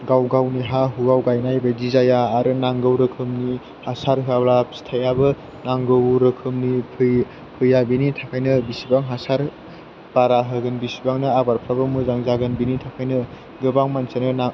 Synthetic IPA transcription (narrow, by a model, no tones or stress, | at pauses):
ɡawɡawniɦaɦuɡawɡajnajbadizajaːɾɯnaŋɡɯwɾɯkʰɯmni | hasaɾɦɯablapsi̥tʰajabɯ | naŋɡɯwɾɯkʰɯmnipʰɯ | pʰɯjabinitʰakʰajnɯbisibaŋɦasaɾ | b̥aɾaɦɯɡɯnbisibaŋnɯabaɾpʰɾabɯmuzaŋzaɡɯnbinitʰakʰajnɯ | ɡɯbaŋmansanɯnaŋ